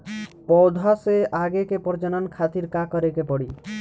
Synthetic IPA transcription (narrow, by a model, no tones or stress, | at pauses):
pɔwd̪ʱaseʔaɡekepɔɾd͡ʒɔnɔnkʰat̪iɾkakɔɾekepɔɽi